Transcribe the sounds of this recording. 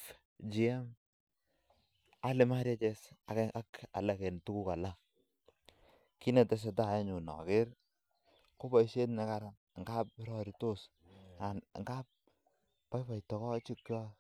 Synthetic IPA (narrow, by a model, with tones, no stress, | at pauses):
d͡ʒi˨ɛ˦m | a˦lɪ˨ma˦ɾje˦t͡ʃɛ˦sa˨kɛ˦a˦ka̰˨la˨kɛ˨n˨tu˦ku˦ka˨la˦ | ki˦nɛ˨tɛ˦s̬e˨ta˨jɛ˦ɲu˨nɔ̰˨kɪ˦ɾ | ko˦bɔ˨i˦ʃe˦tnɛ˨ka˨ɾa˨ŋ˨ŋɡa˦p̚ɾɔ˦ɾi˨to˦s | a˨n˨ŋɡa˦p̚ː | ɔ˦jpa˨jtɔ˨kɔ˦t͡ʃi˦kɔ˦